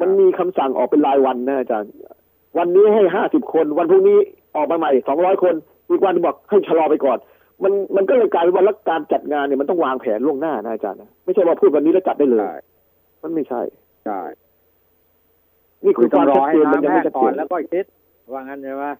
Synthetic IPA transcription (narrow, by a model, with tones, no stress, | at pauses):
ma˧nmiː˧kʰa˧msa˨˩ŋʔɔː˨˩kpe˧nlaː˧jwa˧nːa˦˥ʔa˧˩t͡ɕa̰ː˧nː˧˩ | wa˧nːiː˦˥ɦa˥˩jɦaː˥˩si˨˩p̚kʰo˧nwa˧npʰu˥˩kniː˦˥ | ʔɔː˨˩k̚maː˧ma˨˩jsɔː˩˦ŋɾɔː˦˥jkʰo˧n | ʔiː˨˩k̚wa˧nbɔ˨˩k̚ha˥˩jt͡ɕʰa˧lɔː˧pa˧jkɔː˨˩n | ma˧nma˧nkɔ˥˩ka˥˩klaː˧jpʰwa˥˩lɛ˦˥˩kaː˧nt͡ɕa˨˩t̪̚ŋaː˧nːi˨˩ma˧nt̪ɔ˥˩ŋwaː˧ŋpʰɛː˩˦nlu˥˩əŋnaː˥˩na˦˥ʔa˨˧t͡ɕa̰ː˧nːa˦˥ma˥˩jt͡ɕʰa˥˩jwaː˧pʰuː˥˩t̪̚wa˧nːiː˦˥lɛ˦˥˩t͡ɕa˨˩t̚da˥˩jlɤː˧j | ma˧˥˩nma˥˩jt͡ɕʰa̰˥˩j | niː˥˩kʰu˧˦waː˥˩˨a˦˧˨t͡ɕeː˧nma˧nja˨˩ma˥˩t͡ɕʰa˦t̪̚ḛː˧˨˧n˦˧˩t̪̚ | waː˧ŋa˧na˧˩a˦˥